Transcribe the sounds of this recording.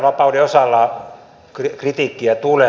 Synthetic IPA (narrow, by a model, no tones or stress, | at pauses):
ʋɑpɑudeosɑlːɑ | krkrit̪iːkːiæt̪ule